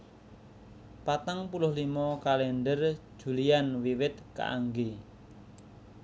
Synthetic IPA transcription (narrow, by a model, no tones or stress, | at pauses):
pat̪aŋpulʊhlimɔkalɛnɖər̥ʒ̥ṳlianwiwɪt̪̚ka̰ʔa̰ŋɡe